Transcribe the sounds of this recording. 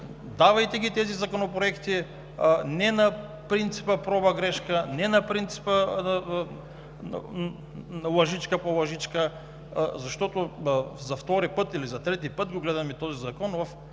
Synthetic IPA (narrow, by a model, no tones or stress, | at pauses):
d̪avajt̪ɛɡʲit̪ɛzizakonopɾoɛkt̪i | nɛna | pɾint̪si̥pəpɾɔbaɡɾɛʃkanɛnapɾint̪si̥pə | lˠɐʒit͡ʃkapolˠɐʒit͡ʃka | zaʃt̪ɔt̪ozaft̪ɔɾipət̪ilizat̪ɾɛt̪ipət̪ɡoɡlɛd̪amit̪ɔzizakɔnvaf